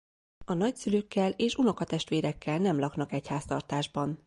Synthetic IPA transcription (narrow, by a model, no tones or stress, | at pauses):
ɒnɒcsyløːkːɛleːʃuno̞kɒt̪ɛʃt̪ʋeːɾɛkːɛlnɛmlɒknɒkɛchaːst̪ɒrt̪aːʒbɒn